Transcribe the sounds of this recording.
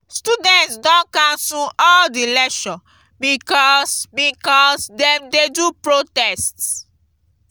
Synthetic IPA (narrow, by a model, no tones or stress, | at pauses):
studɛ̃ntsdɔ̃nkãnsuɔldilɛʃɔ̃ | bikɔsbikɔsdɛ̃mdedupɹotɛsts